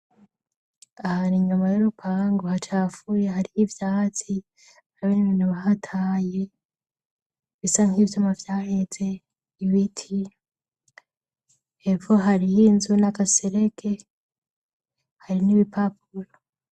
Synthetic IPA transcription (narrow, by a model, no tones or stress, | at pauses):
ahaniɲumajuɾupʰaːŋɡohat͡ʃaːfujeɦaɾijivjaːt͡si | aɾaβeniβinuβaɦatʰaːje̞ | βisaŋ̥hiːvjomavjaːhe̞t͡se̞ | iβitʰi | evo̞ɦaɾijinzunaɡaseɾe̞ke̞ | haɾiniβipʰap̚uɾo